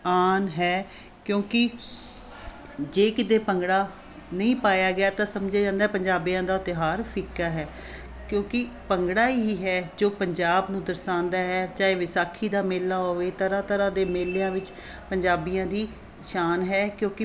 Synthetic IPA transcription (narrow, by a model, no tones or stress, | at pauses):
aːnɦɛː | kjõːkɪ | d͡ʒeːkɪt̪eːpəŋɡɽaː | nəĩːpaːjaːɡɪaːt̪ãːsəmd͡ʒaːd͡ʒãːnd̪aːɛːpəɲd͡ʒaːbijãːd̪aːt̪ɪɦaːɾpʰɪkːaːɦɛː | kjõːkɪ | pəŋɡɽaːiɦiːɦɛːd͡ʒoːpəɲd͡ʒaːbnũːd̪əɾsãːnd̪aːɦɛːt͡ʃaːeːʋɪsaːkʰiːd̪aːmeːlːaːɦoːʋeːt̪əɾãːt̪əɾãːd̪eːmeːlːejãːʋɪt͡ʃ | pəɲd͡ʒaːbijãːd̪iː | ʃaːnɦɛːkjõːkɪ